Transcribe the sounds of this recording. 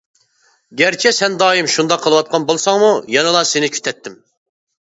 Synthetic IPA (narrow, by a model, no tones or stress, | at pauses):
ɡʲæɾt͡ʃʰɛsɛnd̪ɑːjimʃund̪ɑqʰəlˠɨwɑt̪̚qʰɑnbolˠsɑŋmujɑnɨlˠɑsɪnɪkʲʰy̥t̪ʰɛt̪ʰːɪm